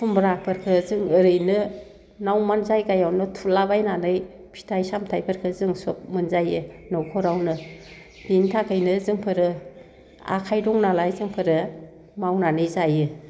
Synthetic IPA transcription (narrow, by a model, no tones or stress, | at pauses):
sʰumbɾapʰɯɾkʰɯzɯŋɯɾɯjnɯ | nawmanzajɡajawnɯtʰulabajnanɯj | pʰi̥tʰajsamtʰajpʰɯɾkʰɯzɯŋsɔp̚mɯnzajɯnɔwkʰɔɾawnɯ | dintʰakʰɯjnɯzɯŋpʰɯɾɯ | a̰kʰajdɔŋnalajzɯŋpʰɯɾɯ | mawnanɯjzajɯ